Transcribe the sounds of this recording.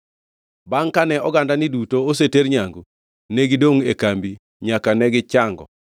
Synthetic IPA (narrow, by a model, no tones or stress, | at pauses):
baŋkanɛɔɡandanidutoos̬eteɾɲaŋɡu | neɡidoŋekambi | ɲakanɛɡɪt͡ʃaŋɡɔ̰